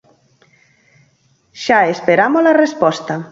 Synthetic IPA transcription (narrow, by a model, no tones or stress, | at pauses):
ʃaespeɾamolarespɔst̪a